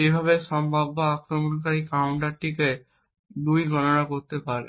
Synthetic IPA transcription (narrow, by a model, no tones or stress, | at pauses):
ebʱaβeʃɔmbʱabːaakɾomonkaɾikawɳʈaɾʈike | d̪ujɡʱɔnonakoɾt̪epaɾḛ